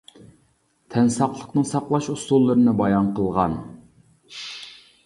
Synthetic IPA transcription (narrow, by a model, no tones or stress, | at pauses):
t̪ʰɛnsɑqlˠəqnɨŋsɑqlˠɑʃust̪ulˠːəɾɨnɨbɑjɑnqəlˠʁɑ̰n